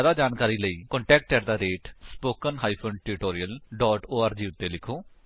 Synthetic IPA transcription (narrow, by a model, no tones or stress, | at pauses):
d̪aːd͡ʒaːnkaːɾiːləiːkɔ̃ːɳʈɛːk̚ʈ̚t͡ʃɛːɾd̪aːɾeːʈspoːkənɦaːiːpʰəɳʈɪɾɪʈoːɾijəlɖɔːʈoːaːɾd͡ʒiːʊt̪ːeːlɪkʰoː